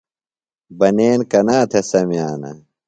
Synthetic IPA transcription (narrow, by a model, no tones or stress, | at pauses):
bɐneːnkɐnaːt̪ʰesɐmijaːnɐ̰